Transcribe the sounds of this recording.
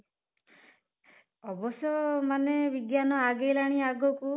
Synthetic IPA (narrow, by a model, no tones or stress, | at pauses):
ɔbɔsjɔmanebiɡjanɔaɡejlaɽ̃iaɡɔku